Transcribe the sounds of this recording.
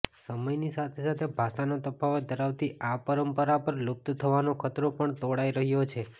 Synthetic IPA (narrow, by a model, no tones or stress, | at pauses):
səməjnisat̪ʰesat̪ʰebʱaʃanot̪əpaʋd̪əɾaʋt̪iʔapəɾəmpəɾapəɾlʊb̚t̪t̪ʰəʋanokʰət̪ɾopəɳt̪oɽaiɾəɦjot͡ʃʰe